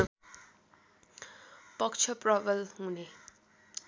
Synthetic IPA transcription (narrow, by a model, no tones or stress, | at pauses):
pʌkt͡ʃʰʌprʌbʌlɦune